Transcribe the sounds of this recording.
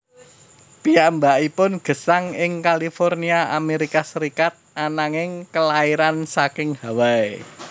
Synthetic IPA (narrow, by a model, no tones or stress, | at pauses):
piambaʔipʊnɡ̥ə̤saŋɪŋkalifɔrniaameɾikasəɾikat̪̚anaŋɪŋkəlaiɾansakɪŋhawae